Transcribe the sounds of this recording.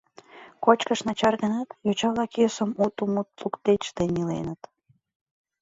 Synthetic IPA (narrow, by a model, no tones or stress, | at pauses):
kot͡ɕkəʃnɑt͡ɕɑrɣənət̪jot͡ɕɑβlɑkøsəmut̪umut̪lukt̪eʃt̪enilḛnət̪